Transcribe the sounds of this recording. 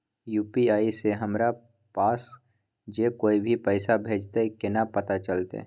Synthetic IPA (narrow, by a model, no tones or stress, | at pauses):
juːpiaːiseɦəmɾa | paːs | d͡ʒekoːibʱipɛɪsabʱeːd͡ʒt̪ekɪnapət̪at͡ʃəlt̪ḛ